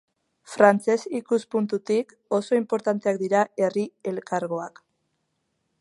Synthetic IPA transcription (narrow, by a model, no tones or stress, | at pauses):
fɾant͡se̞sikuspunt̪ut̪ik | o̞so̞impo̞ɾt̪ant̪e̞ak̚d̪iɾae̞rie̞lkaɾɣo̞ak